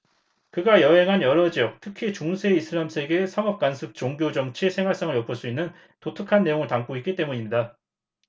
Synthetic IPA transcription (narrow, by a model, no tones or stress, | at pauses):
kɯɡajʌɦe̞ŋɦanjʌɾʌd͡ʑiʌk̚tʰɯkʰit͡ɕoŋsʰe̞isʰɯɾamsʰe̞ɡe̞sʰʌŋʌp̚k͈ansʰɯk̚t͡ɕ͈oŋɡjod͡ʑʌŋt͡ɕʰisʰe̞ŋɦwaɭs͈ʌŋɯɭjʌpʰɯɭs͈uinːɯn | totʰɯkʰanːe̞joŋɯɭtaŋk͈oitk͈it͈e̞muɲimɲida